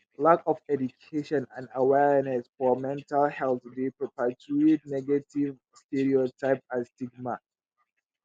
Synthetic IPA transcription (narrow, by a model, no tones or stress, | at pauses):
lakɔfɛdukʰeʃɔ̃nãndawɛɹnɛsfɔmɛ̃ntalhɛlˠtdipʰɹɔpatʰuid̚nɛɡativ | stɛɹiɔtʰaɪp̚astiɡ̚ma